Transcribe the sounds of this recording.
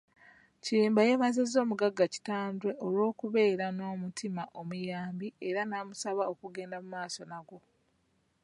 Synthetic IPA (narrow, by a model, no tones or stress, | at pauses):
cieːmbaje̞mazezo̞ːmuɡaɡːaci̥taːndwe̞ʔolwo̞ːkuβe̞ːɾano̞ːmutʰimaʔo̞mujaːmbieɾanaːmusaβao̞kuɡe̞ːndamumaːso̞naɡo̞